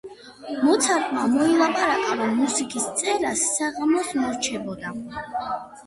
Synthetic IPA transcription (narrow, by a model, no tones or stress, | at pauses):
mɔt̪sʰaɾt̪ʼmamɔilˠapʼaɾakʼaɾɔmːusikʼist̪sʼɛɾasːaʁamɔsmɔɾt͡ʃʰɛbɔd̪a